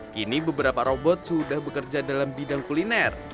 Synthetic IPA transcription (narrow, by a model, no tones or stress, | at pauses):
kinibəbəɾapaɾobɔt̪̚sudahbəkərd͡ʒadalambidaŋkulinɛr